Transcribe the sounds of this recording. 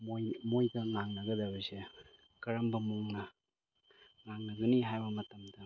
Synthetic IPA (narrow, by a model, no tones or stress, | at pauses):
mojmojɡɐŋaŋnɐɡɐdabɐse | kɐɾɐmbɐmuŋnɐ | ŋaŋnɐɡɐniɦajbɐmɐtɐmdɐ